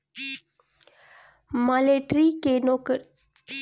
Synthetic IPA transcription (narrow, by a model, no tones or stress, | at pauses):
maleʈɾikenok